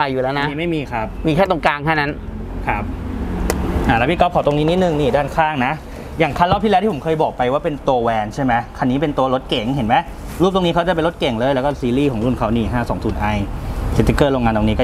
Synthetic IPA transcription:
a˧juː˨˩lɛː˦˥n˧a˧˦miː˦ma˥˩jmiː˧kʰa˦˥p̚miː˧kʰaː˥˩t̪o˧ŋkaː˧ŋt̪ʰa˥˩wna˦˥n | kʰa˦˥p̚ | ʔaː˨˩lɛ˦˥pʰi˥˩kɔ˦˥ɔː˨˩˦t̪o˧ŋniː˦˥ni˦˥t̪̚nɯ˨˩ŋniː˧˥˩daː˥˩nkʰaː˥˩ŋna˦˥ʔ | jaː˨˩ŋkʰa˧˥˨lɔ˦˥p̪̚ʰi˥˩ɛː˧˦wt̪i˥˩˦kʰɤː˧jbɔː˨˩k̚pa˧jwaː˥˩pe˧nt̪oː˧wɛː˧nt͡ɕʰa˥˩jma˦˥jkʰa˧nːiː˦˥p̬e˧nt̪u˧lo˦˥t̪̚ke˨˩˦ŋɦe˩˦nma˦˥j | luː˥˩p̚t̪o˧ŋniː˦˥kʰa˦˥t͡ɕa˨˩p̬e˧nlo˦˥t̪̚ke˨˩˦ŋlɤː˧jlɛː˦˥wkɔː˥˩siː˧liː˥˩kʰɔː˩˦ŋlu˥˩nkʰa˦˥wniː˧˥˩ɦaː˥˩sɔ̰ː˩˦ŋsuː˨˩nʔa˧jse˨˧˩t̪ːi˧kɤː˥˩ɾoː˧ŋaː˧nt̪o˧ŋniː˦˥kɔː˥˩

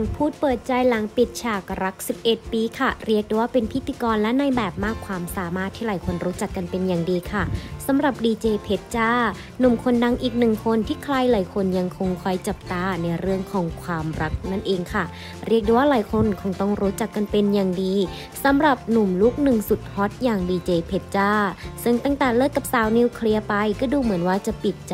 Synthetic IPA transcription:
ŋpʰuː˥˩t̪̚pɤː˨˩t̪̚t͡ɕa˧jla˨˦ŋpi˨˩t̪̚t͡ɕʰaː˨˩k̚ɾa˦˥k̚si˨˩p̚ʔe˨˩t̪̚piː˧kʰa˧˩ɾi˥˩ək̚deː˧˩waː˥˧pe˧˨npʰi˦˥t̪ʰːiː˧kɔː˧nlɛ˦˥na˧jbɛː˨˩p̚maː˥˩kʰːwaː˧msaː˨˦maː˥˩t̪ʰːiː˧˩laː˨˩˦jkʰo˧nɾuː˦˥t͡ɕa˨˩kːa˧npe˧njaː˨˩ŋdiː˨˧kʰa˥˩sa˨˦mɾa˨˩p̚diː˧t͡ɕeː˧pʰe˦˥t̪̚t͡ɕaː˥˩ | nu˨˩mkʰo˧nda˧ŋʔiː˨˩k̚nɯ˨˩ŋkʰo˧˥nt̪ʰiː˧˥˩kʰlaː˧˥jlaː˨˦jkʰo˧nja˧ŋkʰo˧ŋkʰɔ˧˩jt͡ɕa˨˩p̚t̪aː˧˩na˧jɾɯ˥˩əŋkʰɔː˨˦ŋkʰwaː˧mɾa˦˥k̚na˧˥˨nʔeː˧ŋkʰa˧˩ | ɾi˥˩k̚deː˧˩waː˥laː˨˩˦jkʰo˧˥nkʰɔ˧˩ŋt̪ɔ˧˩ŋɾuː˦˥t͡ɕa˨˩kːa˧npe˧njaː˨˩ŋdiː˧ | sa˨˦mɾa˨˩p̚nu˨˩mlu˦˥k̚nɯ˨˩ŋsu˨˩t̪̚hɔ˧˦˥t̪̚jaː˨˩ŋdiː˧t͡ɕeː˧pʰe˦˥t̪̚t͡ɕaː˧˥˩sɤ˧˩ŋt̪aː˧˥˩ŋt̪ɛː˧˩lɤː˥˩t̪̚kːa˧˩p̚saː˨˦wniː˧wkʰli˧ɐpa˧jkɔː˧˩duː˧mɯ˩˦ənwaː˧˩t͡ɕa˨˧˩pi˨˩t̪̚t͡ɕ

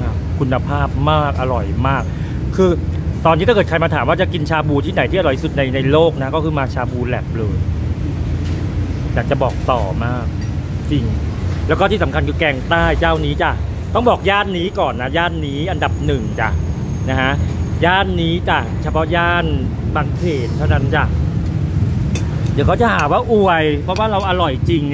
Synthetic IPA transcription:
kʰu˧nːa˧pʰaː˥˩p̚maː˥˩k̚ʔa˧ɾɔ˨˩jmaː˥˩k̚ʰː | ɯː˧t̪ɔː˧nːiː˦˥a˥kɤː˨˩t̚kʰa˧jmaː˧t̪ʰaː˩˦mwaː˥˩t͡ɕa˨˩ki˧nt͡ɕʰaː˧buː˧t̪ʰiː˥˩na˨˩˦j̪ʰiː˥˩a˧ɾɔ˨˩jsu˨˩t̪̚na˧jna˧jloː˥˩k̚na˦˥kɔː˥˩kʰɯː˧maː˧t͡ɕʰaː˧buː˧lɛ̰˨˩p̚lɤː˧j | jaː˨˩k̚t͡ɕa˨˩bɔː˨˩k̚t̪ɔː˨˩maː˥˩k̚ | t͡ɕi˧ŋ | lɛː˦˥wkɔ˥˩t̪ʰiː˥˩sa˩˦mkʰa˧nkʰɯː˧kɛː˧ŋt̪aː˥˩jt͡ɕaː˥˩wniː˦˥t͡ɕa˨˩ | t̪ɔ˥˩ŋbɔː˨˩k̚jaː˥˩nːiː˦˥kɔː˨˩nːa˦˥jaː˥˩nːiː˦˥ʔa˧nda˨˩p̚nɯ˨˩ŋt͡ɕa̰˨˩ | na˦˥hʰa˦˥jaː˥˩nːiː˦˥t͡ɕa˨˩t͡ɕʰa˦˥pʰɔ˦˥jaː˥˩nbaː˧˩ŋkʰeː˨˩t̪ʰːa˥˩wna˦˥nt͡ɕa˨˩ | d̪i˨˩˦kʰa˦˥wt͡ɕa˨˩haː˨˩˦waː˥˩ʔu˨˩əjpʰɾɔ˦˥waː˥˩ɾa˧wʔa˧ɾɔ˨˩jt͡ɕi˧ŋ

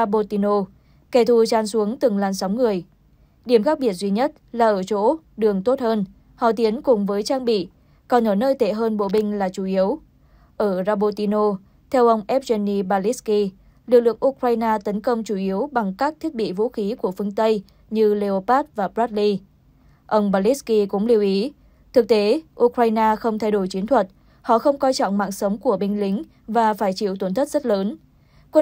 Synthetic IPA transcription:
a˧ɓo˧t̪i˧no˧ | kɛ˧˩t̪ʰu˨˩t͡ɕaː˨˧˩nsu˨˦əŋt̪ɨ˨˩ŋlaː˨˩nsa˨˦wŋ͡mŋɨ˨˩əj | ɗi˧˩əmxaː˦˥k̚ɓi˧˩ət̚zwi˧ɲə˦˥t̚laː˨˩ʔəː˧˩t͡ɕo̰˧˥ | ɗɨ˨˩əŋt̪o˦˥t̚həː˧n | hɔ̰˧˨t̪i˨˦ənkʊ˨˩ŋ͡mvəː˨˦jt͡ɕaː˧ŋɓḭ˧˨ | kɔ˨˩nʔəː˧˩nəː˧jt̪e˧˩ɦəː˧nɓo̰˧˨ɓï˧ŋ̟laː˨˩t͡ɕu˧˩ʔi˨˦əw | ʔəː˧˩zaː˧ɓo˧t̪i˧no˧ | t̪ʰɛ˧wʔə˧wŋ͡mʔɛ˦˥p̚zɛ˧ni˧ɓaː˧li˦˥ski˧ | lɨ˨˩k̚lɨ̰˧˨əŋʔu˧kɾaː˧jnaː˧t̪ə˨˦nkə˧wŋ͡mt͡ɕu˧˩ʔi˨˦əwɓa˨˩ŋkaː˦˥k̚t̪ʰi˦˥t̚ɓḭ˧˨vṵ˧˥xi˨˦ku˧˩əfɨ˧əŋt̪ə˧j | ɲɨ˧le˧o˧paː˦˥t̚vaː˨˩pzaː˦˥li˧ | ʔə˧wŋ͡mɓaː˧li˦˥ski˧kʊ̰˧˥ŋ͡mli˧əwʔi˨˦ | t̪ʰɨ˨˩k̚t̪e˨˦ʔu˧kɾaː˧jnaː˧xə˧wŋ͡mt̪ʰa˧jɗo˧˩jt͡ɕi˨˦nt̪ʰwə˨˩t̚ | hɔ̰˧˨xə˧wŋ͡mkɔ˧jt͡ɕɔ̰˧˨wŋ͡mma̰ː˧˨nsə˨˦wŋ͡mku˧˩əɓï˧ŋ̟lï˨˦ŋ̟ | vaː˨˩faː˧˩jt͡ɕḭ˧˨wt̪ə˧˩nt̪ʰə˦˥t̚z̥ə˦˥t̚ləː˨˦n | kə˧

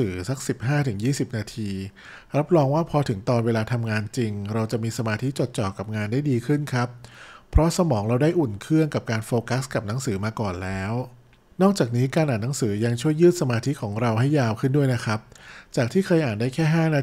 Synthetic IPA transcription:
ɯː˩˦sa˦˥k̚si˨˩p̚ɦaː˥˩t̪ʰɯ˩˦ŋjiː˥˩si˨˩p̚naː˧t̪ʰiː˧ | ɾa˦˥p̚ɾɔː˧ŋwaː˥˩pʰɔ˧t̪ʰɯ˩˦ŋt̪ɔː˧nweː˧laː˧t̪ʰa˧mŋaː˧nt͡ɕi˧ŋɾa˧wt͡ɕa˨˩ʔmiː˧sa˧maː˧t̪ʰi˦˥t͡ɕo˨˩t̪̚t͡ɕɔː˨˩kːa˨˩p̚ŋaː˧ndaː˥˩jdiː˧kʰɯ˥˩nkʰa˦˥pʰːɾɔ˦˥sa˧mɔː˩˦ŋɾa˧wdaː˥˩jʔu˨˩nkʰɯ˥˩əŋka˨˩p̚kaː˧nfoː˧ka˦˥ska˨˩p̚na˦˥ŋsɯː˩˦maː˧kɔː˨˩nlɛː˦˥w | nɔː˥˩k̚t͡ɕaː˨˩k̚niː˦˥kaː˧nʔaː˨˩nːa˦˥ŋsɯː˩˦ja˧ŋt͡ɕʰu˥˩əjːɯː˥˩t̪̚sa˧maː˧t̪ʰi˦˥kʰɔː˩˦ŋɾa˧wɦa˥˩jːaː˧wkʰɯ˥˩ndu˥˩əjna˦˥kʰɾa˦˥p̚t͡ɕaː˨˩k̚t̪ʰiː˥˩kʰaː˧jʔaː˨˩ndaː˥˩jkʰɛː˥˩ɦaː˥˩naː˧

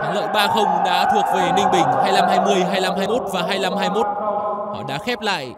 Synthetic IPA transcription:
t̪ʰaː˨˦ŋlə̰ː˧˨jɓaː˧xə˧wŋ͡mɗa̰ː˧˥t̪ʰu˨˩ək̚ve˨˩nï˧ŋ̟ɓï˧˩ŋ̟haː˧jla˧mhaː˧jmɨ˧əjɦaː˧jla˧mɦaː˧jmo˦˥t̚vaː˨˩ɦaː˧jla˧mɦaː˧jmo˦˥t̚hɔ̰˧˩ɗa̰ː˧˥xɛ˦˥p̚la̰ː˧˨j

